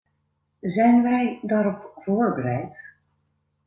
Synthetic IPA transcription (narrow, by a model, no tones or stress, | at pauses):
zɛjnʋɛjdaːɾɔpvʊːɹbəɾɛjt